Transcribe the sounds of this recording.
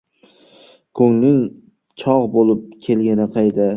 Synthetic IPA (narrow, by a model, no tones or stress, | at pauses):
kʰɵŋnɪŋ | t͡ʃʰɒʁbolˠɪp̚kʲʰe̞lɡʲanɪqʰɑjd̪ɪ